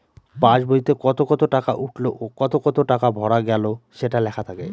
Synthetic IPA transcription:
pãt͡ɕbojt̪ekɔt̪okɔt̪oʈakaʔuʈloʔokɔt̪okɔt̪oʈakabʱɔɽaɡɛloʃeʈalɛkʰat̪ʰake

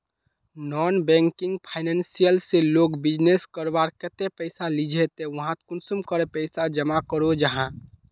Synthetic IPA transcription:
nɔnbɛ̃ŋkĩŋɡpʰaɪnɛnsijəlseloɡbid͡ʒneskəɾbaɾkət̪epəɪsalid͡ʒʱet̪eʋəɦãt̪kunsumkəɾepəɪsad͡ʒəmakəɾod͡ʒaɦã

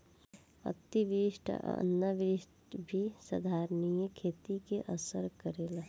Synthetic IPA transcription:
ɐ̰t̪iʋiʃʈʰnːəʋiʃʈbʱisɐd̪ʱaːɾnijəkʰeːt̪ikeʔəsəɾkəɾeːla

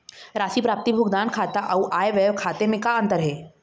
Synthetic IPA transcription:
ɾaːsipɾaːp̚t̪ibʱʊɡd̪aːnkʰaːt̪aʔɐuʔaːeʋeːʋkʰaːt̪emẽkaɐ̃nt̪əɾɦɛː

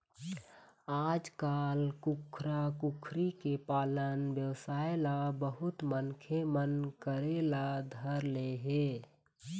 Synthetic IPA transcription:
aːd͡ʒkaːlkukʰɾakukʰɾikepaːlənbjəwsaːelabəɦʊt̪mənkʰemənkəɾelad̪ʱəɾleɦe

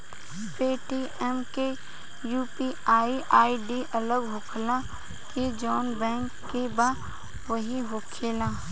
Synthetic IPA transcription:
peːʈi | ɛmke | juːpi | aːiʔaːiɖiʔɐləɡɦʊkʰlã | ked͡ʒɔːnbɛ̃ːŋkːebãː | ʋɐɦiɦʊkʰeːlãː

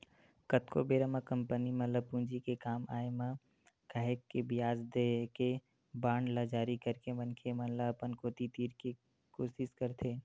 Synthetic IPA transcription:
kət̪kʰo̰beːɾəməkə̃mpənimɐləpũːnd͡ʒikekaːmaːemã | kaːekːebɪjaːzd̪eke | baːɳlad͡ʒaːɾikəɾkemɐnkʰemɐ̃lapənkoːt̪it̪iːɾki | koːʃɪʃkəɾt̪ʰeː

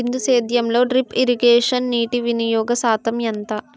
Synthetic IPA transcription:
ind̪useːd̪jɐmlo̞ːɖɾipiɾiɡeːʂɐnːiːʈiʋinɐjɔːɡɐsaːt̪ɐmjɐnt̪ɐ

